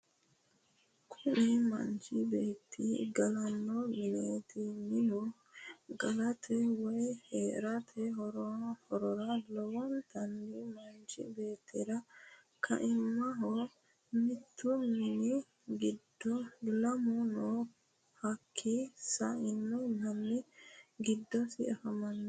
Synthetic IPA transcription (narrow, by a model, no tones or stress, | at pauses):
kʰʊnimɐ̰nt͡ʃɪbeːt̪ʰːiɡɐlɐnːɔmɪneːt̪ɪmɪnʊ | ɡɐlɐt̪ʰɛwɔjheːɾɐt̪ʰɛɦɾhɔɾɔɾɐlɔwɔnt̪ɐndimɐnt͡ʃɪ̰beːt̪ʰːɪɾɐ | kʰɐ̰ʔɪmːɐɦɔ | mɪt̪ːʊmɪnɪ | ɡɪd̪ːɔlɐmunɔ | hɐkʰːisɐɪnːɔnɐnːɪɡɪd̪ːɔsɪ̰ɛfɐmɐnː